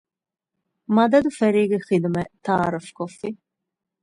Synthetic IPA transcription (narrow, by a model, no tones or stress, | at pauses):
mad̪ɐd̪ufɛɾiːɡixid̪mɛt̪ʰaːɾəfkʰɔfi